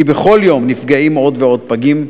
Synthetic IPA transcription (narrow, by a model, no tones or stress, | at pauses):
ibeχo̞ljo̞mnifɡaimo̞dveo̞d̚paɡim